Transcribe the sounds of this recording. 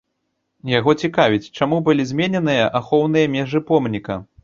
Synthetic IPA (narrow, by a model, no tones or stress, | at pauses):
jaɣɔt͡sʲikavʲit͡sʲt͡ʂamubɨlʲizʲmʲenʲɛnɨjɐʔaxɔwn̪ɨjɐmʲɛʐɨpɔmnʲikɐ̰